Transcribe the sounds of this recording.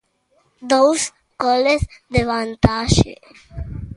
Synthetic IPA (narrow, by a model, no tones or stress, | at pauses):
d̪oːs | kɔːlesd̪eʋãnt̪aːʃḛ